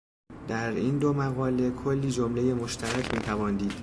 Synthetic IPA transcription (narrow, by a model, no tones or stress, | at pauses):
d̪̥æɾiːnd̪omæɣɒːle̞kʰo̞lːiːd͡ʒomle̞je̞mo̞ʃt̪ʰæɾæcʰmiːt̪ʰævɒːnd̪iːd̪̥